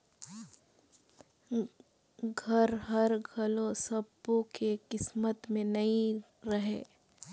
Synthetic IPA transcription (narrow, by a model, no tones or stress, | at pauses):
ɡʱɐɾɦɐɾɡʱɐlosɐbõkekɪsmət̪mẽnɐĩ | ɾɐɦeː